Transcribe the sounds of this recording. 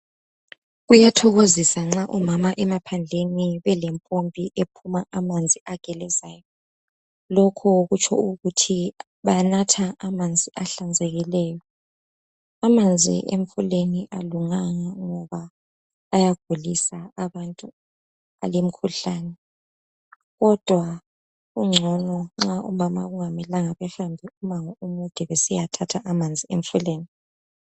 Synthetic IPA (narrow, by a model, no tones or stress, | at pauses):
ɣujatʰɔɣozisaŋ͡ǁaʔumamaʔɛmapʰand͡ɮʱeniβɛlɛmpʼompʼiʔepʰumaʔamand͡zʱiʔaɡ̥ʱɛlɛzaːjɔ | lɔkʰɔɣut͡ʃʰɔ̰uɣutʰi | βanatʰaamand͡zʱiʔaɬand͡zʱɛɣilɛːjɔ | amand͡zʱḭʔemfuleniʔa̰luŋaŋaŋɔβaː | jaɡ̥ʱulisaaβantʼu | a̰lem̩kʰuɬaːnɛ | ɣɔd̥ʱwa | ɣuŋ͡ǁʱɔnɔŋ͡ǁaʔṵmama̰ɣuŋamilaŋaβɛhambʱiumaŋɔumud̥ʱɛβɛsijatʰatʰaʔamand͡zʱieɱfuleːni